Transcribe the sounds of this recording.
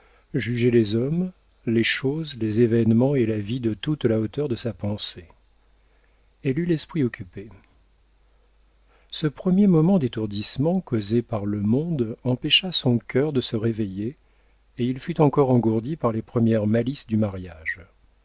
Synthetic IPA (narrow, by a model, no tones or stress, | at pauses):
ʒyʒelezɔm | leʃozlezevɛnmɑ̃elavid̪ət̪ut̪laot̪œʁd̪əsapɑ̃se | ɛlylɛspχiɔkʲʰype | səpχəmjemɔmɑ̃d̪et̪uʁd̪ismɑ̃kozepaʁləmɔ̃d̪ɑ̃pɛʃasɔ̃kʰʲœʁd̪əsəʁevejeː | ilfyt̪ɑ̃kɔʁɑ̃ɡuʁd̪ipaʁlepχəmjɛʁmalisd̪ymaʁjaʒ